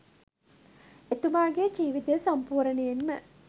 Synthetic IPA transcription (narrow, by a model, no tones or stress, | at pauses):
et̪umaːɡeːd͡ʒiːʋit̪esɐmpuːɾəneenmə